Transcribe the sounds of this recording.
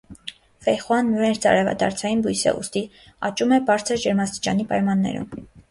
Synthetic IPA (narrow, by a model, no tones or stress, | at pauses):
fɛχwɑnːuɾɛɾt͡sɑ̰ɾɛvɑ̰d̪ɑ̰ɾt͡sʰɑjinbujsɛ̰ʔṵst̪i | ɑt͡ʃumɛbɑɾt͡sʰəɾd͡ʒəɾmɑst̪i̥t͡ʃɑnipɑjmɑnːɛ̰ɾṵm